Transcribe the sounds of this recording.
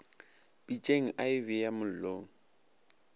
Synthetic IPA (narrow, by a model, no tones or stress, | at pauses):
pʼit͡ʃʼeŋ̩ʔaɪvɪjamʊl̩loːŋ̩